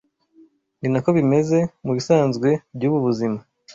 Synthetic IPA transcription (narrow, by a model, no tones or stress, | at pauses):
ninako̞βime̞ze̞muβisaːnzɡwe̞bɟuːβuβuzima